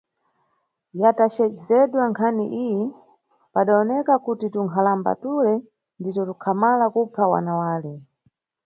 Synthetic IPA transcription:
jatat͡ʃɛd͡ʒɛzɛɗwaŋkʰanḭʔijɛ | paɗaɔnɛkakutituŋkʰalamba̰tulɛ | nditɔtukʰamalakupawa̰nawaːlɛ

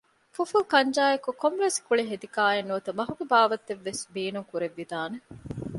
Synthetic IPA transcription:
fofulkɐɲd͡ʒaːjekukomɾeskuɭiɦed̪ikaːenːuɐt̪ɐmɐɦuɡebaːʋɐt̪ːeʋːesbeːnuŋkuɾeʋːid̪aːne

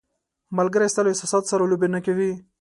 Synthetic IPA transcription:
malɡəɾast̪aloɪsɑsɑt̪saɾalobenakawi

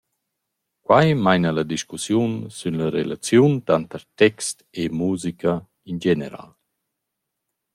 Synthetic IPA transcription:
kwajmajnalad̪iʃkusjunsynlaɾḛlat͡sjunt̪ant̪əɾt̪ɛkst̪emuːzika | ind͡ʒeneɾa̰ːl

